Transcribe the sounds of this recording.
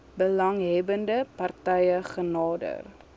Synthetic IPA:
bəlɐŋɦɛbəndəpɐrtɛjəχənɑːdə̰r

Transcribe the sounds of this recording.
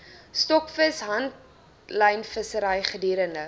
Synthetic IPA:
stɔkfəsɦɐnt | lɐjnfəsəɾɐjχədiːɾəndə

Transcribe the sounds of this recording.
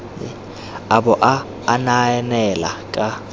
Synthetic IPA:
aɓɔʔaː | naɛnɛla̰kʼa

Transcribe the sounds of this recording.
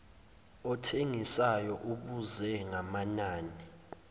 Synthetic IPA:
ɔtʰeŋisajɔʔuɓuzɛŋamanaːni

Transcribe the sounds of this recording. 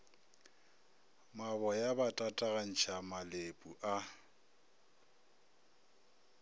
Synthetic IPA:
mabɔjabatʼatʼaɣan̩t͡ʃʰamalepʼuʔa

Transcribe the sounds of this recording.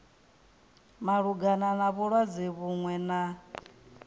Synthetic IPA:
maɺuɡananaβuɺwad͡ziβuŋwɛna

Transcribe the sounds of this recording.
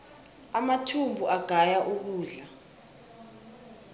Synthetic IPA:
amatʰumbʱuʔaɡ̥ʱajaʔuk̬uːɮa

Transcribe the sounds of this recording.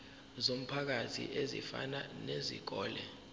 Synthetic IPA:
zom̩pʰak̬atʰḭʔezḭfa̰nanezḭɡ̥̬ɔːlɛ

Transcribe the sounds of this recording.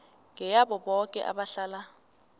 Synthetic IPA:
ŋɛjaɓɔɓɔkʼɛ̰ʔa̰ɓaɬaːla

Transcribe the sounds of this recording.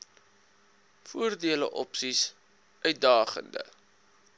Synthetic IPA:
fuərdiələ̰ʔɔpsis | ʔœɥt̚dɑːχə̰ndə̰

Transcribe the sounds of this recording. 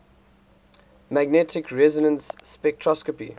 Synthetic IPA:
mæɡ̚nɛtʰɪkʰɹɛzɔnə̃nsːpɛk̚tʰɹɔskɔpḭ

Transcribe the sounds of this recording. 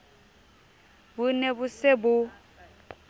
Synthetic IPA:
bʊnebʊsɪbʊ

